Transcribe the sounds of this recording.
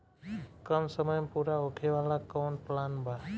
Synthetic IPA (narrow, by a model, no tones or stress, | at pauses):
kəmsəməjmpuɾaokʰeʋalakɔwnplanbʱa